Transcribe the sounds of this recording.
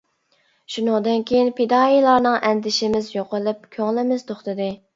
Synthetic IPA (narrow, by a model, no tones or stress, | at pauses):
ʃunɨŋd̪ɨnkʲʰejinpʰed̪ɑilˠɑɾnɨŋʔɛnd̪ɪʃɪmɪzjoqəlˠɨp̚kʲʰøŋlˠɪmɪzt̪ʰoχt̪ɨd̪ɨ